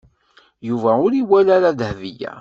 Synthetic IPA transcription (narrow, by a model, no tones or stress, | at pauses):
juvæʊɾiwælaɾaðhvijæ̰